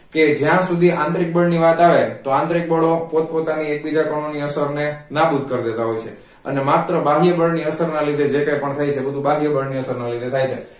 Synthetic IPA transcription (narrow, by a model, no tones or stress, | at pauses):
ked͡ʒjãsud̪ʱiʔãnt̪ɾik̚bəɭniʋat̪aʋet̪oãnt̪ɾik̚bəɽopot̪̚pot̪aniek̚bid͡ʒakəɳ̃oniəsəɾnenabud̪̚ʱkəɾd̪et̪aɦojt͡ʃʰḛ | ə̰nemat̪ɾəbaɦijəbəɭniəsəɾnalid̪ʱed͡ʒekəjpəɳt̪ʰajt͡ʃʰebəd̪ʱubaɦijəbəɭniəsəɾnalid̪ʱet̪ʰajt͡ʃʰe